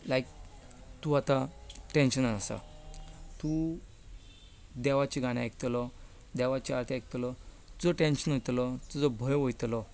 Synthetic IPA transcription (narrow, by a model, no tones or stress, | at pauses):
lajk | t̪uat̪ãʈẽnɕənanasa̰ | t̪u | d̪ɛʋat͡ɕiɡañajkt̪lɔ | d̪ɛʋat͡ɕiaɾt̪ʰiak̚t̪lɔt̪ud͡zɔʈẽnɕənɦojt̪lɔt̪ud͡zɔbʱəjʋojt̪lɔ